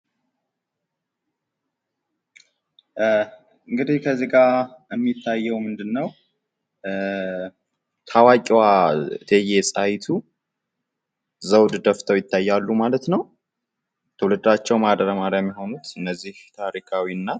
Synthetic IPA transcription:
ɨŋɡɨd̪ihkʰəzeɡaəmːit̪ʰːajːɛwmɨnd̪ɨnːəw | t̪ʰawakʼiwat̪ʰejesʼajt̪ʰu | zəwd̪d̪əft̪ʰəwjɪt̪ʰːajːalːumalət̪nəw | t̪ʰəwlɨd̪at͡ʃːɛwmad̪əɾəmaɾjajɛmːiɦo̞nut̪ɨnːəzːiht̪ʰaɾikʰawiɨnːa

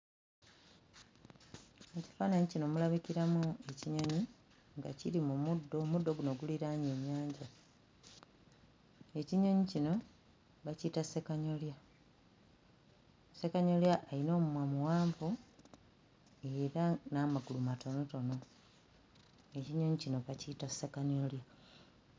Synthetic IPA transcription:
eci̥faːnaɲicino̞mulaβikiɾamue̞ciɲo̞ɲi | ŋɡaciɾimumudomudːo̞ɡuno̞ɡuliɾaɲe̞ɲːaːɲɟa | e̞ciɲo̞ɲicino̞ | βacitasekaɲo̞lja | se̞kaɲo̞ljaʔːino̞ːmumwamuwaːɱvu | e̞ɾanamaɡulumatʰo̞no̞to̞no̞ | e̞ciɲoɲicino̞βacitasekaɲolja

